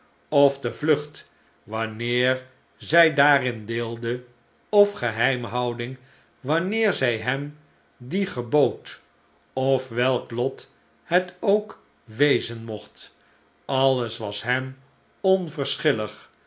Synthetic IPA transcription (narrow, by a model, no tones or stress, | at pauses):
ɔfdəvlɵχt | ʋɑnɪːɹ | zɛjdaːrɪndeːlˠdə | ɔfχəɦɛjmɦɑwdɪŋ | ʋɑnɪːɹzɛjɦɛm | diχəbowt | ɔfʋɛlˠklɔt | hɛtowk | ʋejzənmɔχt | ɑlˠəsʋɑsɦɛm | ɔnvəɹsχɪləχ